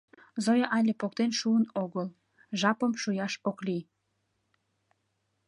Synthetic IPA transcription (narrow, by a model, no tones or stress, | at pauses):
zojɑʔɑlʲepok̚t̪enʃuənoɣəl | ʒɑpəmʃujɑʃokli